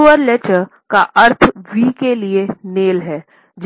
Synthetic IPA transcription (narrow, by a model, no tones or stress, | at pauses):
ʋəɾlɛt͡ʃə | kaʔɐɾt̪ʰʋiːkelieneːlɦɛː | d͡ʒ